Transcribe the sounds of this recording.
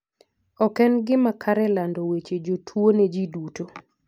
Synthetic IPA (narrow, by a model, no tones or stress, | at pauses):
ɔkɛnɡɪmakʰaɾɛlandowet͡ʃed͡ʒotʰwoned͡ʒiduto